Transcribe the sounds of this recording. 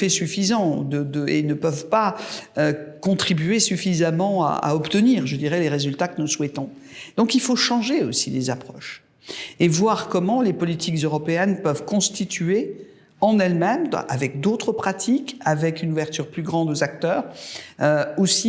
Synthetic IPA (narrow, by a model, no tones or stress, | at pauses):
fɛsyfizɑ̃d̪əd̪əḛnəpœvpaøkɔ̃t̪χibɥesyfizamɑ̃a̰a̰ɔpt̪əniːʁʒəd̪iʁɛleʁezylt̪akənuswɛt̪ɔ̃ | d̪ɔ̃kilfoʃɑ̃ʒeosilezapχɔʃ | evwaʁkɔmɑ̃lepɔlit̪ʰikzøʁɔpeɛnpœvkɔ̃st̪it̪ɥe | ɑ̃nɛlmɛma̰vɛk̚d̪ot̪χəpχat̪ʰikavɛkynuvɛʁt̪yʁplyɡʁɑ̃d̪ozak̚t̪œːʁøosi